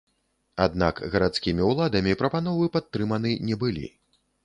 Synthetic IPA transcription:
a̰d̪na̰kɣɐɾat̪skʲimʲiwlˠad̪ɐmʲipɾɐpanɔvɨpat̪ːɾɨmɐnɨnʲɛbɨlʲḭ

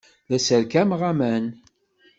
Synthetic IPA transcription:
ðæsəɾkæmʁæmæn

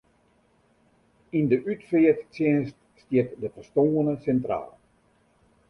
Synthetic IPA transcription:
indəʔytfɪətt͡sjɪnst | stjɪtdəfəstoːənəsɛntra̰ːlˠ

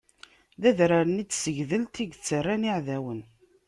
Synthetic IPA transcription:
ðæðɾaɾənit͡sːsəʝðəlt̪iɡt͡sːərːaniʕðæwən

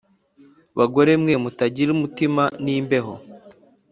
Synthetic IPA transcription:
βaɡo̞ɾemŋe̞mutaɟiɾumutimaniːmbe̞ɦo̞

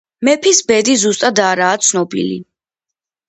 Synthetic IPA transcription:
mɛpʰisbɛd̪izust̪ʼad̪aɾaːt̪sʰnɔbḭlḭ

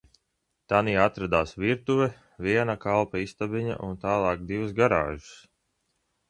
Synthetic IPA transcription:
t̪aniːat̪ɾad̪aːsviɾt̪uvɛ | viɛnakalˠpaist̪abiɲa̰ʔunt̪aːlˠɑːk̚d̪ivusɡaɾa̰ːʒu̥s

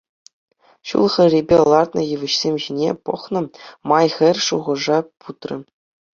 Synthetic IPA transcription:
ɕṵlˠχɘ̆rʲibʲelˠɑrt̪nɤ̰̆jɯʋɘ̆ɕsʲemʲʑinʲepɤ̆χnɤ̆mɑjχʲɘ̆rʲʂuʁɤ̆ʐɑpʰut̪rʲɘ̆

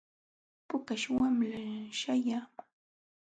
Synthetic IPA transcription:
pʊkaʃwamlaʃajaː

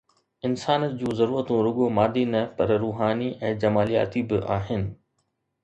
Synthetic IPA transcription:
ɪnsaːnəd͡ʑũːzɐɾuːɾət̪ũɾʊɠomaːd̪inɐpɐɾɾuːɦaːniʔɛ̃ːd͡ʑɐmaːlija̰ːt̪ibɪʔa̰ːɦɪnɪ̆

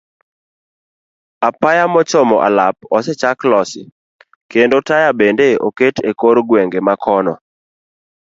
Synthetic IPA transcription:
apajamɔt͡ʃɔmɔ̰ʔa̰lap̚ɔsɛt͡ʃaklɔsɪ̰ | kendotajabendeo̰ketekoɾɡweŋɡemakʰɔnɔ̰

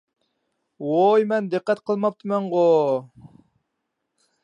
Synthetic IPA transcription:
wojmɛnd̪ɨqːɛt̪qʰəlˠmɑp̚t̪ʰɨmɛɴʁo

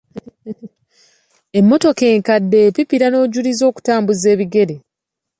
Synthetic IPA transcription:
e̞mːo̞to̞ke̞ːŋkadːe̞ːpipiɾano̞ːɟulizo̞ːku̥taːmbuze̞ːβiɡe̞ɾe

